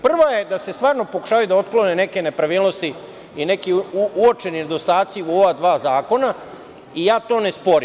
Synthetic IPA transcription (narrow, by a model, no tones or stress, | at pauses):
pr̩ʋajed̪ase̞st̪ʋaːɾno̞po̞ku̥ʃaːʋajud̪ao̞t̪klo̞nene̞ke̞ne̞pɾaʋiːlno̞st̪i | ine̞kiuuot͡ʃe̞nined̪o̞st̪aːt̪siuo̞ʋad̪ʋaːzaːko̞na | ijaːt̪o̞ːne̞spo̞ɾim